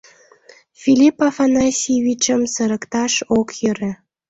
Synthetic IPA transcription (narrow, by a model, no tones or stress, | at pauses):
fʲilʲipafɑnɑsʲiβʲit͡ɕə̆msəɾə̆kt̪ɑʃokjəɾĕ